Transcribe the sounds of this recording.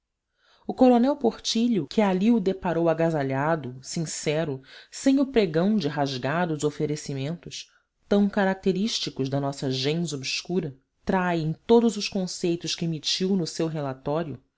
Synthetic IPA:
ʊkoɾonɛwpoχt͡ʃiʎʊkʰɪaliʊd̪epaɾowaɡazaʎad̪ʊsĩsɛɾʊsẽj̃ʊpɾeɡɐ̃w̃d͡ʒɪɦaʒɡad̪ʊzofeɾesimẽnt̪ʊs | t̪ɐ̃w̃kaɾak̚t̪eɾiʃt͡ʃikʊʒd̪ɐnɔsɐʒẽj̃zobʃkuɾɐ | t̪ɾajẽj̃t̪od̪ʊzʊʃkõsejt̪ʊʃkɪemit͡ʃiwnʊsewɦelat̪ɔɾjʊ̰

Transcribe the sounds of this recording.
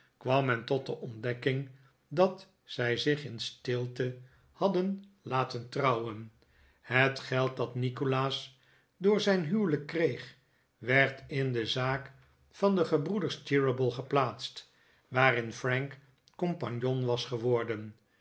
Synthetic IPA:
kʋɑmɛntɔt̚dəʔɔndɛkɪŋ | dɑt | sɛjzɪχɪnstɪlˠtə | hɑdənlaːtəntrʌwən | hətχɛlˠt̚dɑtnikolaːs | dʊːɹzɛjnɦywləkːrejχ | ʋɛɹtɪndəzaːk | fɑndəχəbrudəɹstɪɹəbəlˠχəplaːtst | ʋaːɾɪnfrɛŋk | kɔmpɑɲjonʋɑsχəʋɔɹdən

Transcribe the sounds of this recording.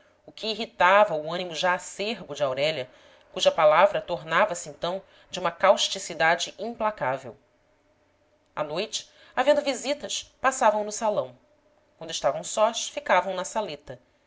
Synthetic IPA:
ʊkʰʲɪːɦit̪avɐʊɐ̃nimʊʒaːseɾbʊd͡ʒɪawɾɛlɐ | kuʒɐpalavɾɐt̪oɾnavɐsɪẽnt̪ɐ̃w̃ | d͡ʒɪũmɐkawʃt͡ʃisid̪ad͡ʒɪʔĩmplakavḛw | a̰nojt͡ʃɪ̥ | avẽnd̪ʊvizit̪ɐʃpasavɐ̃w̃nʊsalɐ̃w̃ | kwɐ̃nd̪ʊɪʃt̪avɐ̃w̃sɔʃfikavɐ̃w̃nɐsalet̪ɐ

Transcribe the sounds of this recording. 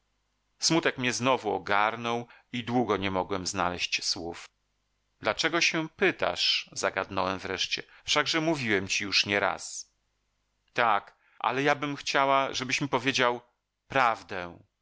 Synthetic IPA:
smut̪ɛkmɲɛznɔvuɔ̰ɡaɾnɔw | id̪wuɡɔɲɛmɔɡwɛmznalɛɕt͡ɕswuf | d̪̥lat͡ʂɛɡɔɕɛpɘt̪a̰ʂzaɡad̪nɔwɛmvɾɛʂt͡ɕɛ̰fʂaɡʐɛmuvʲiwɛmt͡ɕijuʂɲɛɾa̰s | t̪ak | ʔa̰lɛjabɘmxt͡ɕawaʐɛbɘɕmʲipɔvʲjed͡ʑaw | pɾavd̪ɛ

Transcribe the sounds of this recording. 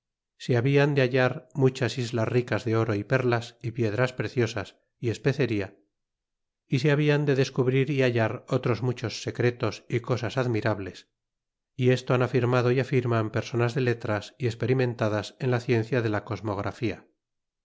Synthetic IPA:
seaβiand̪eaʎaɾmut͡ʃasizlasrikazðe̞o̞ɾo̞ipe̞ɾlasipje̞ðɾaspɾe̞θjo̞sas | ie̞spe̞θe̞ɾia | iseaβ̞iand̪e̞ðe̞skuβɾiɾiaʎaɾo̞t̪ɾo̞zmut͡ʃo̞sːe̞kɾe̞t̪o̞siko̞sasaðmiɾaβle̞s | ie̞st̪oanafiɾmaðo̞iafiɾmampe̞ɾso̞nazðe̞le̞t̪ɾasiespe̞ɾimẽ̞nt̪aðase̞nlaθje̞n̟θjaðe̞lako̞zmo̞ɣ̞ɾʔa̰fia̰

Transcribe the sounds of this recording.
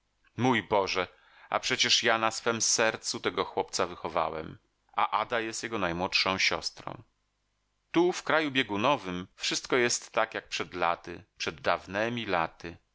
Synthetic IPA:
mujbɔʐɛ | a̰pʂɛt͡ɕɛʂjanasfɛmsɛɾt̪sut̪ɛɡɔxwɔp̚t̪savɘxɔva̰wɛ̰m | a̰ʔad̪ajɛst̪jɛɡɔnajmwɔtʂɔ̃w̃ɕɔ̰st̪ɾɔ̰̃w̃ | t̪ufkɾajubʲjeɡunɔvɘmfʂɘst̪kɔjɛst̪ːakjak̚pʂɛd̪la̰t̪ɘpʂɛd̪ːavnɛmʲilat̪ɘ

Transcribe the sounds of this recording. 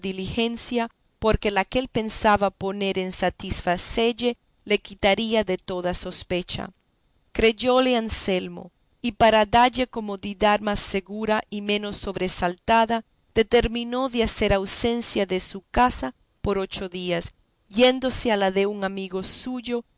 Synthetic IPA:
ðilixe̞nsja | po̞ɾke̞lake̞lpe̞nsaβapo̞ne̞ɾe̞nsat̪isfaseʝe̞ | le̞kit̪aɾiaðe̞t̪o̞ðaso̞spe̞t͡ʃa̰ | kɾe̞ʝo̞leanse̞lmo̞̰ | ipaɾaðaʝe̞ko̞mo̞ðiðaðmasːe̞ɣuɾaimẽ̞no̞sːo̞βɾesalt̪aða | d̪e̞t̪e̞ɾmĩno̞ðease̞ɾawse̞nsjaðe̞sukasa | po̞ɾo̞t͡ʃo̞ðias | je̞nd̪o̞sealaðe̞uŋamiɣo̞suʝo̞

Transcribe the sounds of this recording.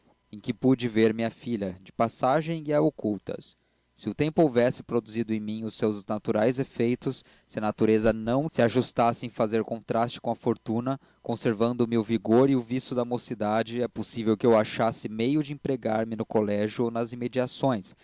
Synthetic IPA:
ẽkɪpud͡ʒɪveɾmĩɲɐfiʎɐd͡ʒɪpasaʒẽj̃iɐokuwt̪ɐ̰sː | ɪʊt̪ẽmpʊowvɛsɪ̥pɾod̪uzid̪ʊẽj̃mĩʊsewznat̪uɾajzefejt̪ʊsː | ɪɐnat̪uɾezɐnɐ̃w̃sɪaʒust̪asɪẽj̃fazeɾkõnt̪ɾast͡ʃɪ̥kõɐfoɾt̪ũnɐ | kõseɾvɐ̃nd̪ʊmɪʊviɡoɾɪʊvisʊd̪ɐmosid̪ad͡ʒɪɛposivewkɪewaʃasɪmejʊd͡ʒɪẽpɾeɡaɾmɪnʊkolɛʒjʊonɐzimed͡ʒiasõj̃s

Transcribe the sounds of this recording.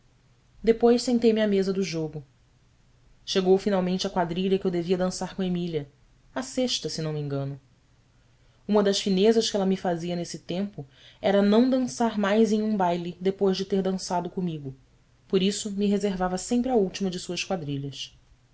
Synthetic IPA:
d̪epojʃsẽnt̪ejmɪɐmezɐd̪ʊʒoɡʊ | ʃeɡowfinawmẽnt͡ʃɐkwad̪ɾiʎɐkɪewd̪eviɐd̪ɐ̃saɾkõemiliɐ | ɐseʃt̪ɐsɪnɐ̃w̃mẽŋɡɐ̃nʊ | ũmɐd̪ɐʃfinezɐʃkɪɛlɐmɪfaziɐnesɪt̪ẽmpʊ | ɛɾɐnɐ̃w̃d̪ɐ̃saɾmajzẽj̃ũbajlɪd̪epojʒd͡ʒɪt̪eɾd̪ɐ̃sad̪ʊkõmiɡʊ | poɾisʊmɪɦezeɾvavɐsẽmpɾɪɐuwt͡ʃimɐd͡ʒɪsuɐʃkwad̪ɾiʎɐs

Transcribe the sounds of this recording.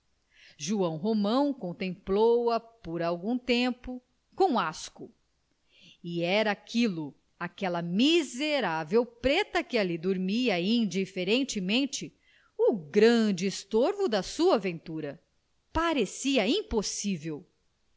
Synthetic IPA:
ʒuɐ̃w̃ɦomɐ̃w̃kõnt̪ẽmplowɐpoɾawɡũt̪ẽmpʊ | kõw̃askʊ | iɛɾɐːkʰilʊ | akɛlɐmizeɾavewpɾet̪ɐkɪalid̪oɾmiɐĩd͡ʒifeɾẽnt͡ʃɪmẽnt͡ʃɪ | ʊɡɾɐ̃d͡ʒɪːst̪oɾvʊd̪ɐsuɐvẽnt̪uɾɐ | paɾesiɐĩposivew

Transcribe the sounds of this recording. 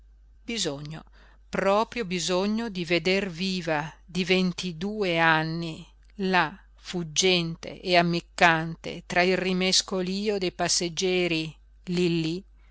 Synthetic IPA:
bizoɲːo̰ | pɾɔːpɾjobizoɲːod̪ived̪erviːvad̪ivent̪id̪uːeanːi | la | fud͡ʒːɛnt̪ḛʔeamːikːant̪ḛt̪ɾailrimeskoliːod̪ejpasːed͡ʒːɛːɾi | lilːi

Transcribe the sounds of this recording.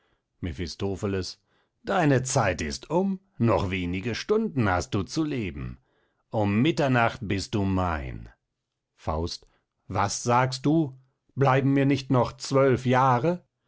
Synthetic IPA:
mefɪstoːfələs | d̥aɪnət͡saɪtɪstʰʊm | nɔχv̥eːnɪɡəʃtʊndn̩hast̚d̥uːt͡suleːbm̩ | ʔʊmːɪtɐnaχt̚b̥ɪst̚d̥uːma̰ɪn | fa̰ʊst | v̥asz̥aːkst̚d̥uː | blaɪbm̩miːɐnɪçtnɔχt͡sv̥œlfjaːʁə

